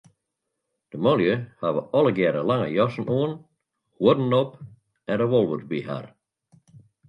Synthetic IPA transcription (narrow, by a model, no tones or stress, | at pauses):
d̥əmɔljəhaʋəɔlˠəɡjɛɾəlaŋə̰jɔsn̩ʔoən | huədn̩ɔp | ɛndəʋɔlˠʋurtbiɦa̰r